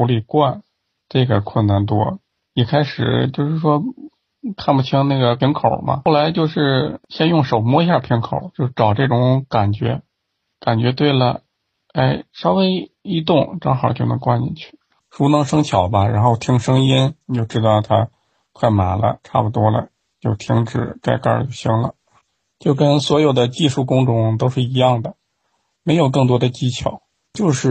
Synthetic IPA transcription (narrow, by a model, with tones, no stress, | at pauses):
u˧˥li˥˧kwa˥˩n | t͡sa˥˧˩ɡa˨˩kʰwə˥˧nna˥˩nt̪̬wɔ˥ | ni˨˩kʰa˥ɪʂɻ̩˨˩t͡ɕjo˥˧ʊʂɻ̩˥˩ʂwɔ˥ | kʰa˥˧npu˧˩t͡ɕʰi˧˥ŋna˥˩ɡə˩pʰjnkʰo˨˩ʊmɐ̰˧˥˩la˧˥ɪt͡ɕjo˥˧ʊʂɻ̩˥˩ɕjɛ˥njʊ˥˩ŋʂo˨˩ʊmwɔ˧˥i˧˥ɕja˥˧˩pʰji˧˥nkʰo˨˩˦ʊt͡ɕjo˥˧ʊʂ̩˥˩ʈ͡ʂɑ˨˩ʊʈ͡ʂɤ˥˩ʈ͡ʂʊ˧˥ŋka˨˩nt͡ɕɥɛ̰˧˥ | ka˨˩nt͡ɕɥɛ˧˥t̪we˥˩ɪlə˩ | e˥˩ɪʂɑ˥ʊwe˥ɪi˧˥t̪ʊ˥˩˧ŋʈ͡ʂɑ˥ŋxɑ˨˩ʊt͡ɕjo˥˩ʊnɤ˧˥ŋkwa˥˩nnḭ˨˩t͡ɕʰy˥˩ | ʂu˧˥nɤ˧˥ŋʂɤ˥ŋt͡ɕʰjɑ˨˩ʊbɐ˦ɻa̰˧˥nxo˥˩ʊt̪ʰi˥ŋʂɤ˥ŋi˥nni˨˩t͡ɕjo˥˧ʊʈ͡ʂɻ̩˥t̪ɑ˥˩ʊt̪ʰa̰˥ | kʰwa˥˩ɪma˨˩nlə̰˦ʈ͡ʂʰa̰˥˩pu˨˩t̪wɔ˥lə̰˨ | t͡ɕjo˥˩ʊt̪ʰi˧˥ŋʈ͡ʂɻ̩˨˩ka˥˧ɪkə̰˥˧˩jo˥˩ʊɕi˥ŋlə̰˨ | t͡ɕjo˥˩ʊkə˥nswɔ˧˥jo˨˩ʊd̪ə˦t͡ɕi˥˧ʂu˥˩kʊ˥ŋʈ͡ʂʊ˧˥˩ŋt̪o˥ʊʂɻ̩˥˩i˧˥jɑ˥˩ŋd̪ə˩ | me˧˥ɪjo˨˩ʊkɤ˥˩ŋt̪wɔ˥d̪ə˧t͡ɕi˥t͡ɕʰjɑ˨˩˦ʊ | t͡ɕjo˥˧ʊʂɻ̩˥˩